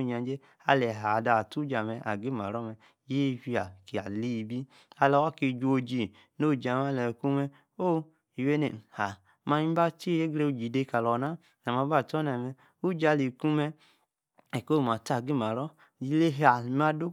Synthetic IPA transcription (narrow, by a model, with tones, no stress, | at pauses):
ɲa˨˦d͡ʒe˦ | a˧lɛ˨ɦa˨da˧˨tu˦d͡ʒa˨mɛ˧ʔa˨ɡi˦ma˨ɾɔ˦mɛ˧ | je˦˨˧fi˧a˨ki˨a˨li˦˧bi˦ | a˧lɔ˨˧wa˦ki˧d͡ʒu˦o˧d͡ʒi˧˨ | no˦˨d͡ʒa˨ma˦lɛ˨ku˦mɛ˧ | o˦ | i˨we˦ne˨ha˨ | ma˧i˦ba˦t͡ʃi˦je˦ɡɾe˧u˧d͡ʒi˨de˧˦ka˨lɔ˨na˦ | n˨a˨ma˧˦ba˦˨tɔ˦na˨mɛ˧ | u˦d͡ʒa˧li˨ku˦mɛ˧ | ɛ˨ko˦˨ma˨ta˨ɡi˦ma˨ɾɔ˦ | d͡ʒi˦le˦ɦa˨m˦a˦du˦